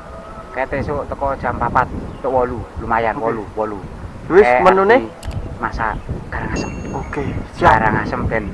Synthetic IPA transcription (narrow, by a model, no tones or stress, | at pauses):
ket̪esot̪əkɔd̥ʒ̥a̤mpapat̪̚ːoʔwɔlulumajanwɔluwɔlu | wɪsmənunemasa̰ɡ̥aɾaŋasəmokeɡaɾaŋasəmb̥ɛn